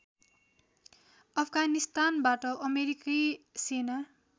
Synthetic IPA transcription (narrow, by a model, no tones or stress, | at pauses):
ʌpʰɡanist̪anbaʈʌʔʌmeɾikijsena